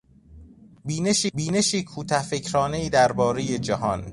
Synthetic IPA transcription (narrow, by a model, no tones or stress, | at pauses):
biːneʃibiːne̞ʃiːkʰuːt̪ʰæfe̞cʰɾɒːneiːd̪æɾbɒːɾe̞je̞d͡ʒæhɒn